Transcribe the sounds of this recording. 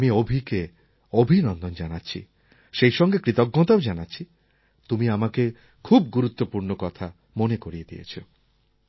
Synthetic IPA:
amiobʱike | obʱinɔnd̪ɔnd͡ʒanatːɕʰḭ | ʃejʃɔŋɡekɾit̪ɔɡːɔt̪aod͡ʒanaːt͡ɕʰi | t̪umiamake | kʰub̚ɡuɾut̪ːopuɾnokɔt̪ʰa | monekoɾied̪ḭjḛt͡ɕʰo

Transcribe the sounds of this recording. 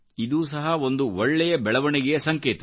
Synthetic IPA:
id̪uːsɐɦɐo̞nd̪uɔɭːɛjɐbɛɭɐʋɐɳɛɡejɐsɐŋkeːt̪ɐ

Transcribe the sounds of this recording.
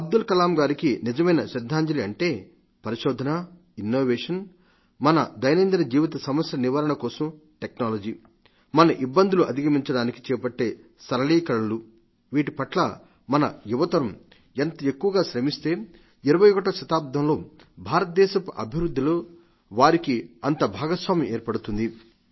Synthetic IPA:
ɐb̚d̪ulkɐlaːmɡaːɾikinid͡ʒɐmɐjnɐʃɐd̪ʱːaːɲd͡ʒɐliɐɳʈe̞ː | pɐɾiʃɔːd̪ʱɐnɐ | inːoːʋeːʂɐn | mɐnɐd̪ɐjnɐnd̪inɐd͡ʒiːʋit̪̬ɐsɐmɐsɾɐniʋɐɾɐɳɐkɔːsɐm | ʈeknaːlɐd͡ʒiː | mɐnɐʔibːɐnd̪ʱuluʔɐd̪ʱikɐmiɲt͡ʃɐɽaːniki̥t͡ʃɛːpɐʈːe̞ː | sɐɾɐliːkɐɭɐlu | ʋiːʈipɐʈlɐ | mɐnɐ̰juʋɐt̪ɐɾɐm | ent̪ɐekːuʋɐɡaːʃɾemist̪e̞ː | iɾɐʋɐjokɐʈ̬ɐʃɐt̪aːp̚d̪ʱɐmlo̞ː | bʱaːɾɐt̪ɐd̪ɛːʃɐpuʔɐ̰bʱiʋɾud̪ʱːiloː | ʋaːɾikiɐnt̪ɐbʱaːɡɐsʋaːmieːɾpɐɽut̪und̪i

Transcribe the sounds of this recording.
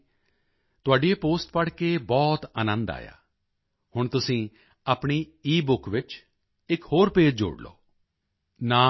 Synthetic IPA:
t̪ʊaːɖieːpoːsʈpəɽkeːbɔːt̪ənə̃nd̪a̰ːja̰ː | hʊɳt̪ʊsĩː | aːpɳiːiːbʊkʋɪt͡ʃ | ɪkhoːɾpeːd͡ʒd͡ʒo̰ːɽlo̰ː | naː

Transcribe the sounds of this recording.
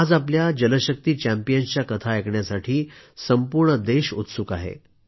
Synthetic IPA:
ad͡zapljad͡ʑənəɕək̚t̪iːt͡ɕæ̃mpijənt͡ɕjakət̪ʰaekɳjasaʈʰiːsəmpuɾɳəd̪eɕut̪sukaɦḛ

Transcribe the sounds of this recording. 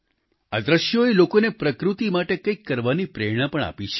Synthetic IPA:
ad̪ɾəʃjoelokonepɾəkɾut̪imaʈekəjkːəɾʋanipɾeɽ̃apəɳa̰pit͡ʃʰe̥

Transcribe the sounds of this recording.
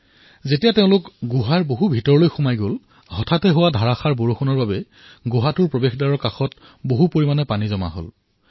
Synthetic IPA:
zetijateʊ̃lʊkɡuɦaɹboɦubʱitɔɹɔlojxumajɡol | hɔtʰatɛɦʊwadʱaɹaxaɹboɹoxɔnɔɹbabɛ | ɡuɦatʊɹpɹɔbexdaɹɔɹkaxɔt̚ | boɦupoɹimanɛpanizɔma̰ɦo̰l

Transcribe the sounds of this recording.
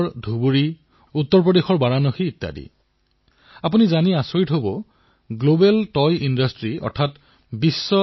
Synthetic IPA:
ɹdʱubuɹi | ut̪ːɔɹp̬ɹɔdexɔɹbaɹanɔxiːtːa̰dḭ | apunizaniasoɹitɦobɔ | ɡlobɛltɔjʔindɔstɹiɔ̰ɹtʰat | bisːɔ

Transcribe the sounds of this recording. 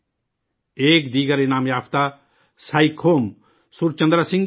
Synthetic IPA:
eːkd̪iːɡəɾenaːmjaːpʰt̪a | saikʰoːm | sʊɾt͡ʃɐ̃nd̪ɾasɪ̃ŋ

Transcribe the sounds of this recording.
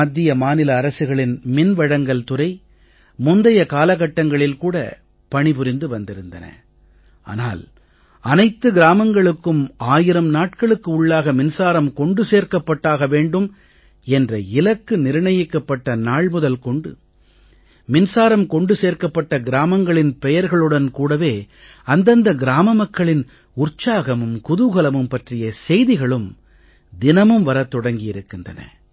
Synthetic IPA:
ɐd̪ːɪjɐmaːnɪlɐːɾɐsɯɣɐɭɪnmɪnʋɐɽɐŋɡɐɭt̪ʊɾɐɪ | mʊnd̪ɐjɐkaːlɐɣɐʈːɐŋɡɐɭɪlkuːɽɐ̰ | pɐɳɪpʊɾɪnd̪ɯʋɐnd̪ɪɾɯnd̪ɐ̰nɐ̰ | ʔa̰ːna̰ːl | ɐnɐɪt̪ːɯɡɪɾaːmɐŋɡɐɭɯkːɯmaːjɪɾɐmnaːʈ̚kɐɭɯkːɯʊɭːaːɣɐmɪnsaːɾɐmkɔɳɖɯseːɾkɐpːɐʈːaːɣɐʋeːɳɖɯm | ɛndrɐɪlɐkːɯnɪɾɪɳɐjɪkːɐpːɐʈːɐnaːɭmʊðɐlkɔɳɖɯ | mɪnsaːɾɐmkɔɳɖɯseːɾkɐpːɐʈːɐɡɪɾaːmɐŋɡɐɭɪnpɛjɐɾɣɐɭɯɽɐnkuːɽɐʋeː | ɐnd̪ɐnd̪ɐɡɪɾaːmɐmɐkːɐɭɪn | ʊrt͡ʃaːɣɐmɯmkʊðʊɣɐlɐmɯmpɐʈrɪjɐsɛjðɪɣɐɭɯm | d̪ɪnɐmɯmʋɐɾɐt̪ːɔɽɐŋɡɪjɪɾɯkːɪndrɐ̰nɐ̰

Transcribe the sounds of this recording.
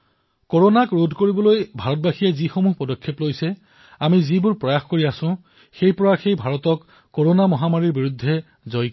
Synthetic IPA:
koɹonakɹodʱkoɹibɔlojbʱaɹɔt̚baxijɛzixomuɦpɔdɔkʰːeplojsɛ | amizibʊɹpɹɔjaxkoɹiasʊ̃ | xejpɔɹaxejbʱaɹɔtɔkː | oɹonamɔɦamaɹiɹbiɹudʱːɛ | zɔj

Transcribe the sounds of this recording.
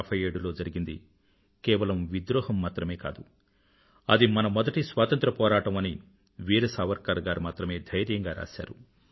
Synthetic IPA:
pʰɐje̞ːɽulo̞ːd͡ʒɐɾiɡind̪ḭ | kɛːʋɐlɐmʋid̪ɾɔːhɐmːaːt̪ɾɐme̞ːka̰ːd̪u | ɐd̪imɐnɐmɔd̪ɐʈisʋaːt̪ɐnt̪ɾɐpɔːɾaːʈɐmɐni | ʋiːɾɐsaːʋɐɾkaːɾɡaːɾmaːt̪ɾɐme̞ːd̪ʱɐjɾjɐŋɡaːɾa̰ːsa̰ːɾu

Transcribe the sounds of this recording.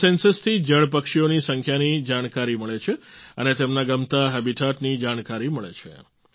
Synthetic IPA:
sensəst̪ʰid͡ʒəɭp̬əkʂionisəŋkʰjanid͡ʒaɽ̃kaɾiməɭet͡ʃʰeənet̪emnaɡəmt̪aɦɛbiʈʰaʈnid͡ʒaɽ̃kaɾiməɭḛt͡ʃʰḛ

